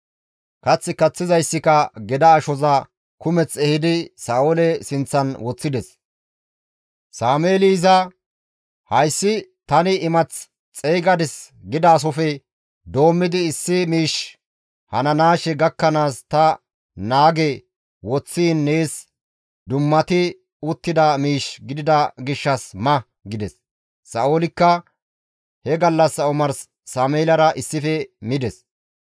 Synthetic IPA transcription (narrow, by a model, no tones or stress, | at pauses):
kɐt͡sːɪkɐt͡sːɪzɐjsːɪkɐɡɛd̪ɐːʃɔzɐ | kʊmɛt͡sɛhɪd̪ɪsaːʔɔlɛsɪnt͡sːɐnwɔt͡sːɪd̪ɛs | saːmeːliːzɐ | hɐjsːɪt̪ɐnɪːmɐt͡s | t͡sʼeːɡɐd̪ɪs | ɡɪd̪ɐːs̬ɔfɛ | d̪o̞ːmːɪd̪ɪɪsːɪmiːʃ | hɐnɐnaːʃɛɡɐkːɐnaːst̪ɐ | naːɡɛ | wɔt͡sːiːnːe̞ːs | d̪ʊmːɐt̪ɪ | ʊt̪ːɪd̪ɐmiːʃɡɪd̪ɪd̪ɐɡɪʃːɐsmɐ | ɡɪd̪ɛsː | ɐʔolɪkːɐ | hɛɡɐlːɐsːɐʊmɐɾsː | aːmeːlɐɾɐʔɪsːɪfɛmɪd̪ɛs